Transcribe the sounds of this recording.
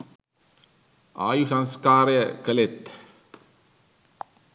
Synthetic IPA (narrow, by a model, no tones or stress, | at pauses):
ʔa̰ːjusɐnskaːɾjɐkɐlet̪